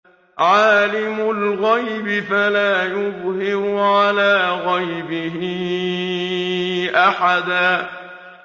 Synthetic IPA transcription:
ʕaːlɪmʊlɣajbɪfalaːjʊðˤhɪɾʊʕalaːɣajbɪɦɪ | ʔaħad̪aː

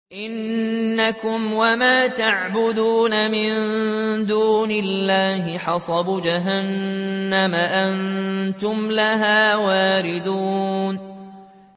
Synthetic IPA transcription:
ʔɪnːakʊmwamaːt̪aʕbʊd̪uːnamɪnd̪uːnɪlːaːhɪħɑsˤɑbd͡ʒaɦanːamaʔant̪ʊmlaɦaːwaːɾɪd̪uːn

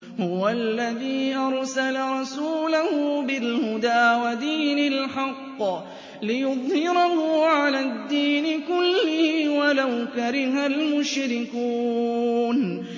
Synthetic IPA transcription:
hʊwaalːaðiːʔɑɾˤsalaɾˤɑsuːlahʊbɪlhʊd̪aːwad̪iːnɪlħɑqː | lɪjʊðˤhɪɾɑhʊʕalaːd̪ːiːnɪkʊlːɪhwalawkaɾɪhalmʊʃɾɪkuːn

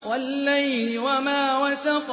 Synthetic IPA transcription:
walːajnɪwamaːwasaf

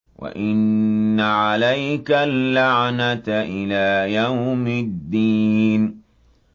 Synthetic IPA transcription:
wa̰ʔɪnːaʕalajkalːaʕnat̪ʔɪlaːjawmɪd̪ːiːn

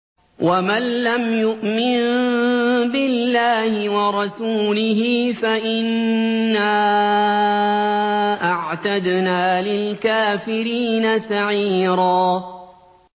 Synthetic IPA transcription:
wʔamanːamjʊʔmɪn | bɪlːaːhɪwɑɾˤɑsuːlɪɦɪːfaʔɪnːaː | ʔaʕt̪ad̪naːlɪlkaːfɪɾiːnasaʕiːɾaː

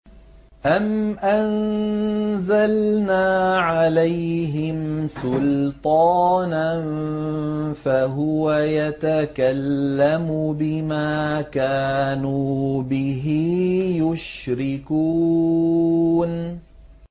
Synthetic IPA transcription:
ʔamʔan | zalnaːʕalajɦɪmsʊlt̪ˤɑːnan | faɦʊwajat̪akalːamʊbɪmaːkaːnuːbɪɦɪjʊʃɾɪkuː | n

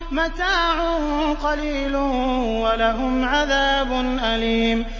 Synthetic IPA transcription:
mat̪aːʕʊhʊmqɑliːlʊwalaɦʊmʕaðaːbʊnʔaliːm

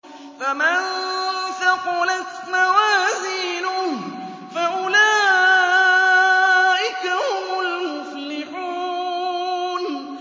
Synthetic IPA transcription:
famant̪aqʊnat̪mawaːzɪːnʊ | faʔʊlaː | ʔɪkahʊmʊlmʊflɪħuː | n

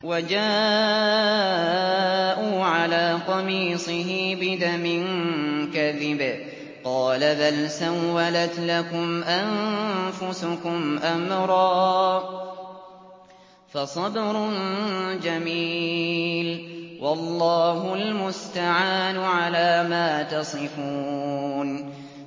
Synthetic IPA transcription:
wad͡ʒaː | ʔuːʕalaːt̪ˤɑmiːsˤɨɦɪbɪd̪amɪnkaðɪbɪ | qɑːlabalsawːalat̪lakʊmʔanfʊsʊkʊmʔamɾˤɑː | fɑsˤɑbɾnd͡ʒamiːlwʔɑlˤːɑːɦʊlmʊst̪aʕaːnʊʕalaːmaːt̪ɑsˤɨfuːn

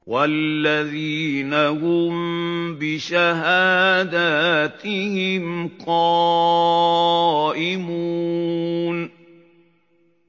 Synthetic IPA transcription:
walːaðiːnahʊmbɪʃaɦaːd̪at̪ɪhɪmqɑː | ʔɪmuː | n

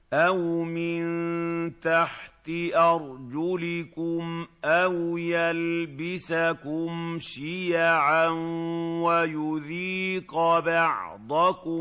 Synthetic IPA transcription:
ʔawmɪnt̪aħt̪ɪʔɑɾˤd͡ʒʊlɪkʊmʔawjalbɪsakʊmʃijaʕanwajʊðiːqbɑʕd̪ˤɑkʊm

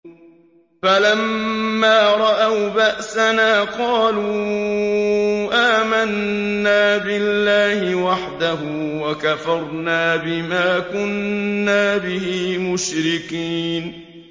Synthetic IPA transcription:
falamːaːɾˤɑʔawbaʔsanaːqɑːluː | ʔaːmanːaːbɪlːaːhɪwaħd̪aɦʊwakafɑɾˤnaːbɪmaːkʊnːaːbɪhiːmʊʃɾɪkiːn

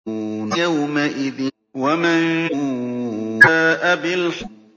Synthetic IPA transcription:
njawmaʔɪðɪ | waman | aːʔabɪlħ

